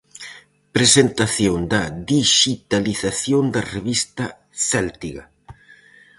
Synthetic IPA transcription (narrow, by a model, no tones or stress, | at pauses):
pɾesent̪aθjoŋd̪ɐðiʃit̪aliθaθjond̪ɐreβist̪ɐ | θɛlt̪iɣɐ